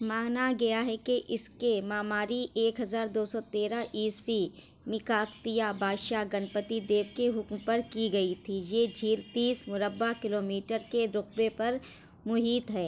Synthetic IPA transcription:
maːnaɡɐjaɦɛkeʔɪskemaːmaːɾieːkɦɐzaːɾd̪oːsɔt̪eːɾaʔiːspi | mɪkaːkt̪ijabʱaːʃaɡɐnpət̪id̪eːʋkeɦʊkmpɐɾkiɡɐit̪ʰijed͡ʒʱiːlt̪iːsmʊɾəbːakɪloːmiːʈəɾkeɾʊq̚bepɐɾ | mʊɦiːt̪ɦɛː

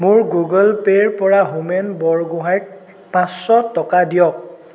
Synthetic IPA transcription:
mʊɹɡuɡɔlpeɹpɔɹaɦumɛnbɔɹɡʊɦajk̚ | pãsːɔtɔkadijɔk̚

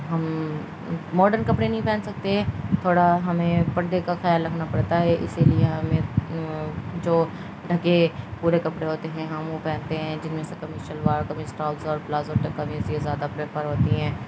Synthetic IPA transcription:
ɦɐm | mɔːɖəɾnkɐpɽenɐɦĩpɛ̃ːnsɐk̚t̪eɦɛ̃ːt̪ʰoːɽaɦɐmẽpɐɽd̪ekaxjaːlːɾɐkʰnapɐɽt̪aɦɛʔɪ̰silieɦɐmẽ | d͡ʒoː | ɖʱɐkepuːɾekɐpɽeɦoːt̪eɦɛ̃ɦɐmopɛ̃ːnt̪eɦɛ̃d͡ʒɪnmẽsekɐmiʃəlʋaːɾkɐmĩsʈaːlzɔːɾplaːzɔːɾʈɐkːamiːsezjaːd̪apɾeːpəɾɦoːt̪iɦɛ̃ː

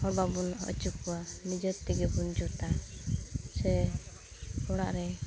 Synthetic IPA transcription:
hɔɽbabunɔ̰t͡ʃukːɔwanid͡ʒət̪t̪ɛɡɛbund͡ʒut̪a | sɛ | ɔɽaʔɾɛ

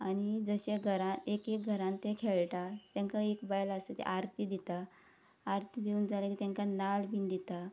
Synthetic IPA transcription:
aɽ̃id͡zəɕeɡʱəɾãekek̚ɡʱəɾãnt̪ekʰeɭʈat̪jãŋkaekbajlaset̪ḛʔaɾt̪iːd̪it̪aː | ɾt̪id̪iund͡zaləkiːt̪jãŋkanalbind̪it̪a

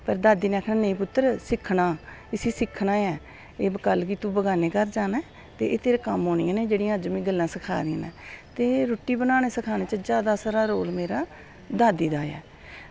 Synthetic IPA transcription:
pəɾd̪aːd̪iːnẽaːkʰnaːnəĩːpʊt̪ːəɾsɪkʰɳaː | ɪsiːsɪkʰːnãːɛː | eːbkəlkit̪ũːbəɡaːneːkəɾd͡ʒaːnaː | t̪ḛːʔeːt̪eːɾeːkəmɦoːnɪjãːneːd͡ʒeːɽĩːãːəd͡ʒmĩːɡəlːãːsəkʰa̰ːɾĩnɛ̰ːt̪eːɾoːʈːiːbənaːneːsəkʰaːneːt͡ʃəd͡ʒjaːd̪aːsaːɾaːɾoːlmeːɾaː | d̪aːd̪iːd̪aːɛ̰ː

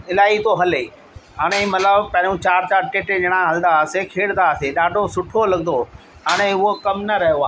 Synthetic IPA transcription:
ɪlaːit̪oɦɐliː | ɦaːɽ̃ẽmɐt̪ləbpɐ̃ɦɪ̃ɲũt͡ɕaːɾt͡ɕaːɾʈeːʈed͡ʑɐɽ̃ãɦɐld̪asekʰeːɽd̪aəseɗaːɖʱosʊʈʰolɐɡnd̪o | ɦaːɽ̃eʊɦokɐmnɐɾɐɦjoaː

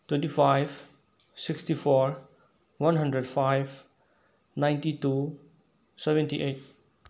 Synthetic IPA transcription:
twẽntipʰajb | sikstipʰɔɾ | wʌnɦəndɾedpʰajb | najntitu | sebẽntiʔet̚

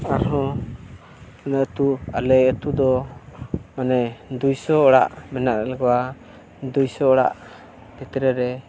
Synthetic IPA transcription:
aɾɦɔ̃ | manaʔt̪ua̰lɛət̪ud̪ɔ | manɛd̪ujsɔɔɽa̰ʔmɛnaʔɾɛlɛɡɔwa | d̪ujsɔɔɽa̰ʔ | b̥it̪ɛɾɛɾɛ

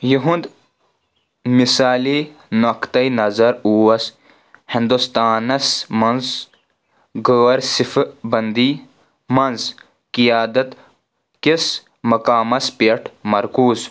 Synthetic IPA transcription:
jiɦund̪ | misaːlinokt̪ɐjnɐzɐɾuːwɐs | hĩnd̪ust̪aːnɐsmɐnz | ɡəːɐɾsifbɐnd̪iː | mɐnz | kijaːd̪ɐt̪ | kis | mɐkaːmɐspeʈʰmɐɾkuːz

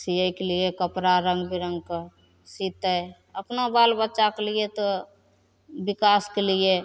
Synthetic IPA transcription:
sijəjkelijekəpɾaɾə̃ŋɡbiɾə̃ŋɡke | sit̪əj | əpnabalbətːt͡ʃakeliet̪o | bikaskelie

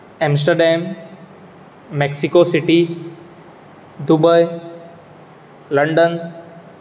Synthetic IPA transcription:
ɛ̃ms̬ʈəɾɖɛm | eksikosiʈi | d̪ubəj | ləɳɖən

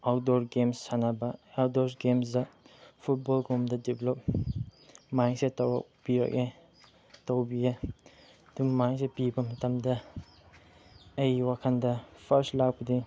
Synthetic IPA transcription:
awdɔɾɡemsːanabɐaw̚dɔɾsɡemsdɐpʰut̚bɔlɡumdɐdeblɔp̚ | majŋsetawa̰k̚b̥iɾa̰ke | towbija | dummajŋsepibɐmɐtʰamdɐ | ɐjwakʰandɐpʰɐɾstlak̚bɐdi

